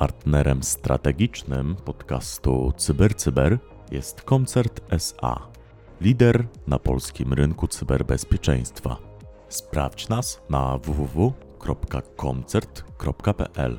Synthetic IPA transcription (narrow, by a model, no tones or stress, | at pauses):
paɾt̪nɛɾɛmst̪ɾʔa̰t̪ɛɡʲit͡ʂnɘmpɔt̪kast̪ṵt̪sɘbɛɾt̪sɘbɛɾ | jɛst̪kɔnt̪sɛɾt̪ɛsa̰ | lʲid̪ɛɾnapɔ̰lskʲimɾɘŋkut̪sɘbɛɾbɛspʲjɛt͡ʂɛj̃st̪fa̰ | spɾa̰ft͡ɕnasnavuvuvu | kɾɔpkakʰɔnt̪sɛɾt̪kɾɔpkapɛ̰ʔɛ̰l